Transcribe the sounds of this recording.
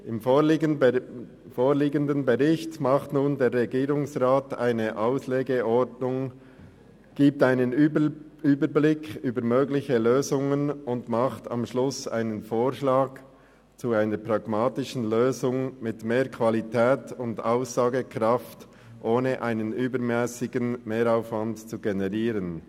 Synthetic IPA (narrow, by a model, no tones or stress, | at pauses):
ɪmf | foːɾliːɡəndənbəʁɪçtmɑχtnuːndeːɾʁɛɡiːʁʊŋsʁaːta̰ɪnəʔaʊsleːɡəɔdnʊŋ | ɡ̥iːp̚taɪnən | yːbəɾblɪkʰyːbəɾmøːɡlɪçəløːzʊŋənʊndmɑχtɑ̰mʃlʊsa̰ɪnənfoːɾʃlaːɡ | t͡suaɪnəɾpʁɑɡ̥maːtɪʃn̩løːzʊŋmɪtmeːɾkʰv̥alitʰɛːtʊndaʊsz̥aːɡəkʁɑft | ʔoːnəʔaɪnənʔyːbəɾmɛːsɪɡənmeːɾaʊfvantt͡suɡenɛʁiːɾən